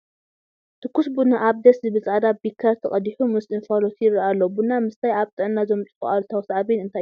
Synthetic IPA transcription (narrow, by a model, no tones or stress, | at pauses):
t̪ʰɨkʰːusbunaʔaβd̪ɐszɨbɨzʼʕad̪abikʰːɐɾt̪ʰɐkʼɐd̪iħumɨsɨnfalot̪ʰɪraʔalːobunamɨst̪ʰajaβt̪ʼɨʕɨnːazo̞mt͡sʼɨkʼʔalt̪ʰawsaʕβinɨnt̪ʰaj